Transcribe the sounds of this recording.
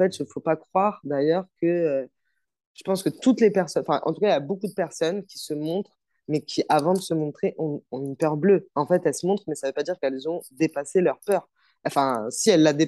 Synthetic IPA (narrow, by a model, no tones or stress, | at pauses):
ɑ̃fɛt̪ʒəfopakχwaʁd̪ajœʁkəø | ʒ̥əpɑ̃skət̪ut̪lepɛʁsɔɑ̃fɛ̰̃ʔɑ̰̃t̪ukailjabokud̪əpɛʁsɔnkʲi̥səmɔ̃t̪χ | mɛkʲʰiʔavɑ̃d̪əsəmɔ̃t̪χeʔɔ̃ɔ̃ynpœʁbløɑ̃fɛt̪ɛlsəmɔ̃t̪χmɛsavøpad̪iʁkɛlzɔ̃d̪epaselœʁpœːʁ | ɑ̃fɛ̃siɛlːad̪e